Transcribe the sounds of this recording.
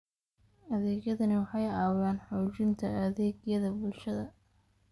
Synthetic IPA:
ɐðɛːɣjɐðɐnɪwɑħɑjɑːwjaːnħɔːt͡ʃɪnt̪ʰɐɐðɛːɡjɐðɐbʊlʃɐðɐ

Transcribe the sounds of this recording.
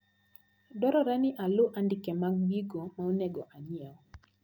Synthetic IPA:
dɔɾɔɾaniʔalʊʔandikɛmaɡ̚biɡomaonɛɡɔʔaɲjaɔ

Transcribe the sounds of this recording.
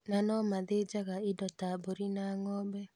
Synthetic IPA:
nanɔmaðed͡ʒaɣaedɔtaboɾinaŋɔbɛ

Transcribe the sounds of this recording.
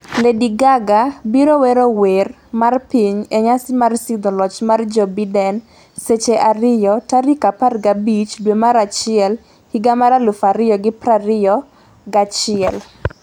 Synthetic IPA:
lediɡaɡabiɾowɛɾower | marpiɲɛɲasɪmarsɪd̪ɔlɔt͡ʃmard͡ʒɔbidɛn | set͡ʃeʔaɾɪjɔtaɾikaparɡabit͡ʃdwemaɾat͡ʃɪɛl | hiɡamaɾalʊfaɾɪjɔɡɪpɾaɾɪjɔ | ɡat͡ʃɪɛl

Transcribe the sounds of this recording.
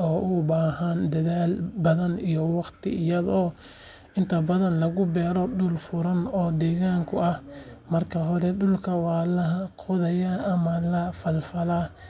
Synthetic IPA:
ɔːʔʊbaːɦɐnd̪ɐðaːlbɐðɐnijɔwɑqt̪ʰɪ̰ɪjɐðɔː | ɪnt̪ʰɐbɐðɐnlɐɣʊbɛːɾɔɖʊlfʊɾɐnɔːd̪ɛːɣaːŋkʰʊɐhmɐrkʰɐɦɔɾɛɖʊlkʰɐwɑːlɐɦɐqʰɔðɐjɐɐmɐlɐfɐlfɐla

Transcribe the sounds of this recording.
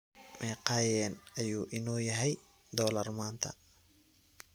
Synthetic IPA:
mʔɛːqɑːjɛːnɐjuːʔɪnɔːjɐɦɛj | d̪ɔːlɐrmaːnt̪ʰɐ̰

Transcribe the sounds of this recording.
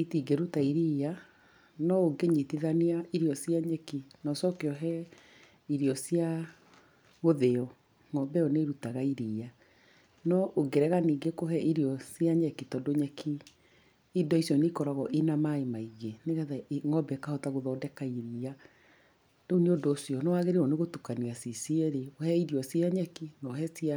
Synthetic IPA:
itiɡeɾutaiɾia | nɔoɡeɲitiðaneaiɾiɔsjaɲɛkinɔsɔkeɔɦɛ | iɾiɔsja | ɣoðeɔ | ŋɔbɛɔneɾutaɣaiɾiːa | nɔʔoɡeɾɛɣaniːɡekoɦɛʔiɾiɔsjaɲɛkitɔdoɲɛkʰi | idɔisjɔnekɔɾaɣɔʔenamaemaiɣeneɣaðaŋɔbɛkahɔtaɣoðɔːdɛkaiɾia | doneodoːsjɔnɔaɣeɾeɔneɣotukaniasisiɛɾeohɛiɾiɔsjaɲɛkinɔɦɛsia

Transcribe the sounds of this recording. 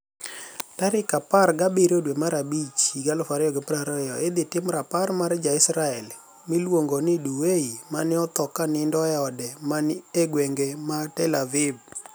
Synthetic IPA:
taɾɪkaparɡabeɾodwemaɾabit͡ʃiɡalɔfaɾɪɔɡepɾaɾɔjɔed̪ɪtɪmɾaparmaɾd͡ʒaɪsɾaɛl | milwoŋɡonɪduweimanɪɔt̪ɔkanɪndɔɛɔdɛmaneɡweŋɡematɛlavɪb

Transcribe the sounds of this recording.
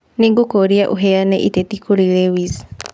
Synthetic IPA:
niŋɡukoɾiaʔuɦɛanɛ̰ʔitɛtikuɾilewis

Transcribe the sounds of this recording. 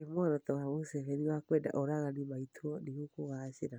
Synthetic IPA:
emɔɾɔtɔwaβusɛfɛɾiwakwɛda̰ʔoɾaɣanimaitʰuɔniɣukuɣaseɾa

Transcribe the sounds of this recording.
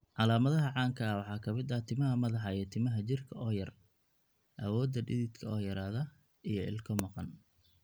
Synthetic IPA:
ʕɑlaːmɐðɐɦɐʕɑːŋkʰɐwɑħɑːkʰɐmɪd̪ɐt̪ʰɪmɐɦɐmɐðɑħɑɛːt̪ʰɪmɐɦɐt͡ʃɪrkʰɐʔɔːjɐr | ʔɐ̰wɔːd̪ːɐɖɪðɪt̪kʰɐɔːjɐɾaːðɐ | ijɞɪ̰lkʰɔmɑqɑn

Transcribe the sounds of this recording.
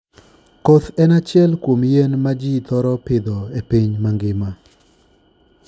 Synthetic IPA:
kɔt̪ɛnat͡ʃɪɛlkwomjɛnmad͡ʒit̪ɔɾɔpɪd̪ɔepiɲmaŋɡɪma

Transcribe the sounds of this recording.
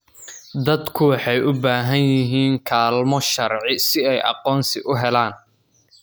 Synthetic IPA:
d̪ɐd̪kʰʊwħɑjʔʊbaːɦɐnjɪɦiːŋkʰaːlmɔʃɐrʕɪsɪɛjʔɑ̰qɔːnsɪʔʊɦɛlaːn

